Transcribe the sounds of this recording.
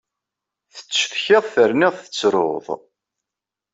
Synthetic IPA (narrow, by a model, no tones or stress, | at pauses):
θə̥t͡sːθçɪðˤθəɾnɪʁθə̥t͡sːɾo̰ðˤ